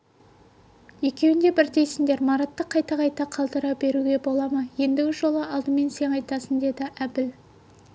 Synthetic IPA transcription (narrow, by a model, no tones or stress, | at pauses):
je̞kʲe̞wɪnd̪e̞bɪɾd̪e̞jsɪŋd̪e̞ɾmɑɾɑt̪ːəqʰːɑjt̪ɑʁɑjt̪ɑqʰɑlˠd̪əɾɑpbe̞ɾuɡʲe̞bo̞lˠɑmɑje̞nd̪ɪɡʲɪʒo̞lˠəɑlˠd̪əme̞nse̞ŋɑjt̪ɑsənd̪e̞d̪ɪʔæbɪl